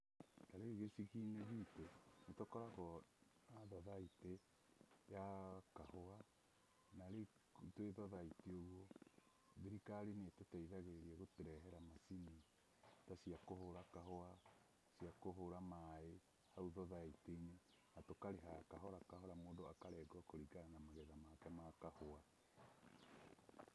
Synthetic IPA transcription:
taɾeɣesiɣineɦitenetokɔɾaɣɔ | aðɔðaite | jakahoa | naɾe | teðɔðaiteoɣwɔ | ðiɾikaɾinetotaiðaɣeɾiaɣoteɾɛɦɛɾamasini | tasiakoɦoɾakaɦoa | siakoɦoɾamaːe | hauðoðaiteine | natokaɾeɦakaɦɔɾakaɦoɾamodoakaɾɛɡoakoɾiɡanamaɣɛðamakɛmakahoa

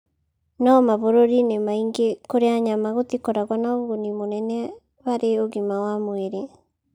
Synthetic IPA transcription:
namaβoɾoɾinemaiŋɡekoɾeaɲamaɣot̪ikoɾaɣwanaoɣonimonɛnɛ | βaɾeoɣimawamweɾe

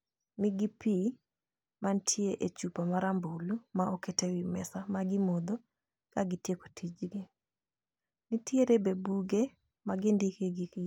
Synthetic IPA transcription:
nɪɡipi | mantʰjeʔet͡ʃupamaɾambulumaɔketewimɛ̰samaɡɪmod̪ɔ | kaɡɪtjeko̥tʰid͡ʒɡe | nitʰjeɾebebuɡe | maɡɪndikeɡi

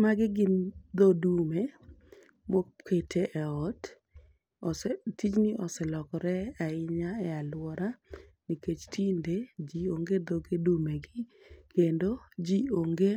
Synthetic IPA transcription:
maɡɪɡɪnd̪ɔdume | mɔkʰetʰeʔɛɔt | ɔsɛtit͡ʃnɪʔɔsɛlɔkɔɾɛaɪɲaɛalwɔɾaniket͡ʃtʰinded͡ʒioŋɡed̪ɔɡedumeɡɪ | kendod͡ʒioŋɡe

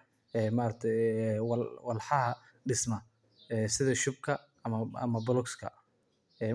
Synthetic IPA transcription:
ɛːmaːɾɐkt̪ʰɛwɑlwɑlħɑɦɐ | ɖɪsmɐ | ɛːsɪðɐʃʊb̚kʰɐ | ɐmɐɐ̰mɐbʊlɔkskʰɐ̰ | ɛː

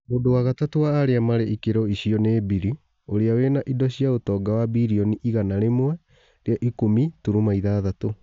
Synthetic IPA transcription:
moːdowaɣatatowaːɾeamaɾeʔikeɾɔiɕiɔneːbiɾi | oɾeawenaʔidɔɕiaotɔːɡawabiɾiɔniʔiɣanaɾemoɛ | ɾeaʔikomituɾumaiðaːðato

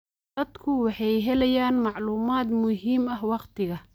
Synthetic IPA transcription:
d̪ɐd̪kʰʊwɑħɑjɦɛlɛjaːnmɑʕluːmaːd̪mʊɦiːmɐhwɑqt̪ʰɪɣɐ

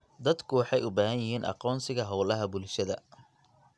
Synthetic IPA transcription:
d̪ɐd̪kʰʊwɑħɑjʊbaːɦɐnjɪɦiːnʔɑ̰qɔːnsɪɣɐɦɔwlɐɦɐbʊlʃɐðɐ̰

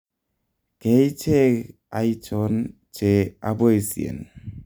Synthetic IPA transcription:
kejt͡ʃe | ajt͡ʃɔn | t͡ʃeabɔjsḭḛn

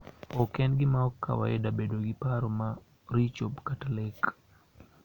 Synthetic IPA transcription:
ɔkɛnɡɪmaɔkʰːa̰wa̰jɛdabedoɡɪpaɾoma | ɾit͡ʃobkatalek

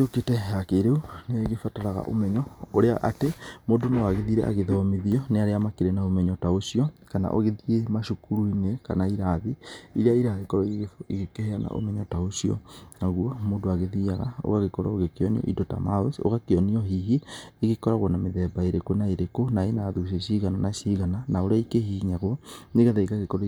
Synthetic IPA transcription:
eoketɛɦɛakeɾeuneɛɣefataɾaɣa̰ʔo̰mɛɲɔoɾeaʔatemoːdonewaɣeðiɾɛ̰ʔa̰ɣeðɔɔmeðiɔneaɾeamakeɾenaomɛɲɔtaoʃiɔkana̰ʔo̰ɣeðiemaʃukuɾuineka̰naiɾaðiiɾeaiɾaðikɔɾɔeɣeɣefeɣekeheana̰ʔo̰mɛɲɔtaoʃiɔ̰naɣwɔmoːndoaɣeðiaɣao̰ɣaɣekɔɾa̰oɣekeɔniɔ̰ʔḭdɔta̰maeso̰ɣakeɔniɔɦiɦieɣekɔɾaɣwɔnameðɛbaeɾekwonaeɾekonaenaðuʃ̬eʃiɣanɔnaʃiɣananaoɾeaikehiɲaɣwɔneɣaðaikaɣekɔɾ

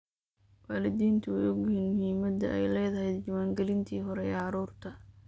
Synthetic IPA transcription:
waːlɪd̪iːnt̪ʰʊjɔɡinmʊhiːmɐd̪ɐ̰ʔɛ̰jlɛːðɐɦɛjd̪d͡ʒɐwaːŋɡɛlɪnt̪ʰiːɦɔɾɛɛʕɑɾuːrt̪ʰɐ

